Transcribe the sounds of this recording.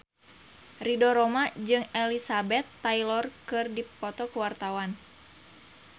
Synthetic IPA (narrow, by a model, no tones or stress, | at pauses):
ridɔɾɔmad͡ʒɨŋɛlisabɛt̪ːailɔrkɨrdipɔt̪ɔkuwart̪awan